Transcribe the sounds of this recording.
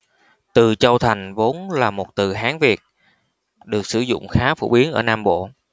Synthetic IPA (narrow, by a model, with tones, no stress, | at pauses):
t̪ɨ˨˩t͡ɕə˧wt̪ʰa˨˩jŋ̟vo˨˦nlaː˨˩mo˨˩t̚t̪ɨ˨˩ɦaː˨˦ŋvi˨˩ət̚ | ɗɨ˨˩ək̚sɨ˧˩zʊ̰˧˨ŋ͡mxaː˨˦fo̰˧˩ɓi˨˦ənʔəː˧˩naː˧mɓo̰˧˨